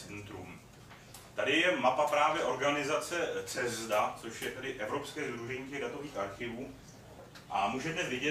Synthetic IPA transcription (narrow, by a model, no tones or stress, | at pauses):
ɛnt̪ɾṵm | t̪adɪjɛmapapɾaːvjɛʔo̞ɾɡanɪzat͡sɛt͡sɛzdat͡so̞ʃjɛt̪ɛdɪʔɛvɾo̞pskɛːzd̪ɾuʒɛɲiːcɛɣdat̪o̞viːxʔaɾxɪvuː | ʔamuʒɛdnɛsvjɪɟɛ